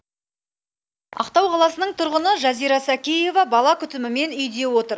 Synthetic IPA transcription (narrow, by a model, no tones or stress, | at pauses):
ɑ̰qt̪ɑwqʰɑlˠɑsənəɴt̪ʰʊɾʁənəʒɑzijɾɑsækʲije̞vɑbɑlˠɑkʲʰʏt̪ɪmɪme̞nʏjd̪e̞wo̞t̪əɾ